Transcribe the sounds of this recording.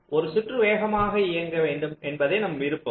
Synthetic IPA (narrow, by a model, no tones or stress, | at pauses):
ʔɔɾɯsɪʈrɯʋeːɣɐmaːɣɐɪjɐŋɡɐʋeːɳɖɯmɛnbɐðeːnɐmʋɪɾɯpːɐ